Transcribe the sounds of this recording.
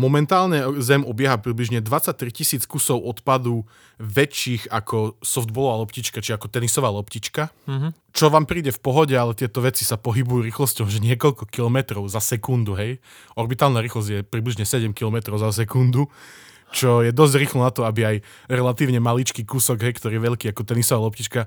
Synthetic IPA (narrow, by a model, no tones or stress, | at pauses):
mɔmɛnt̪aːlɲɛzɛmɔbɪɛɦapɾibliʒɲɛd̪ʋat͡sac̚t̪ɾicisiːt͡skusɔʊʔɔt̪pad̪u | ʋɛt͡ʃiːxakʰɔsɔfd̪̚bɔlɔʋalɔpciːt͡ʃkat͡ʃiakɔt̪ɛnisɔʋaːlɔpcit͡ʃka | t͡ʃɔʋaːmpɾiːɟɛfpɔɦɔɟɛalɛt̪ɪɛt̪ɔʋɛt͡si̥sapɔɦibujuɾiːxlɔscɔʊʒɛɲɪɛkɔʎkɔkilɔmɛt̪ɾɔʊzasɛkund̪uɦɛj | ʔɔɾbit̪aːlnaɾiːxlɔzɟjɛpɾibliʒɲɛsɛɟɛmkilɔmɛt̪ɾɔʊzas̬ɛkund̪u | t͡ʃɔjɛd̪ɔzɟɾiːxlɔnat̪ɔabiaj | ɾɛlat̪iːʊɲɛmalit͡ʃkiːkusɔɡɦɛjkt̪ɔɾiːɛʋɛʎkiːakɔt̪ɛnisɔʋaːlɔpcit͡ʃka